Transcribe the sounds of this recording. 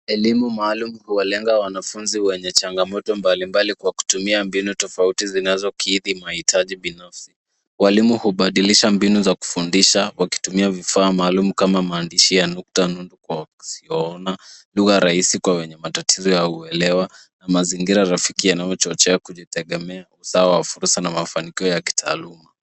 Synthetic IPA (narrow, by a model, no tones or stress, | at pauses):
ɛlimumaːlumuhuwalɛŋɡawanafunziwɛɲɛt͡ʃaŋɡamɔtɔmbalimbalikwaku̥tumiambinutɔfautizinazɔkʰiðimahitʰaʄiɓinafsi̥ | walimuhuɓaɗiliʃambinuzaku̥fundiʃawaki̥tumiavifaːmaːlumukamamaːndiʃijanuk̚tanundukwḁsiɔɔnaluɣaɾaisikwawɛɲɛmatatʰizɔjauɛlɛwa | namaziŋɡiɾaɾafikijanajɔt͡ʃɔt͡ʃɛakuʄitɛɠɛmɛausaawafuɾsanamafanikiɔjaki̥tʰa̰ːluma